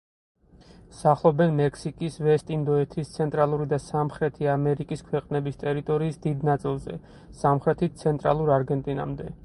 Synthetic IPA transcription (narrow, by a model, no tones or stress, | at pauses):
saχlˠɔbɛnmɛkʰsikʼisvɛst̪ʼind̪ɔɛt̪ʰist̪sʰɛnt̪ʼɾalˠuɾid̪asamχɾɛt̪ʰiamɛɾikʼiskʰwɛqʼnɛbist̪ʼɛɾit̪ʼɔɾiːsd̪id̪nat̪sʼilˠzɛ̰ | samχɾɛt̪ʰisʰɛnt̪ʼɾa̰lˠuɾaɾɡɛnt̪ʼina̰md̪ɛ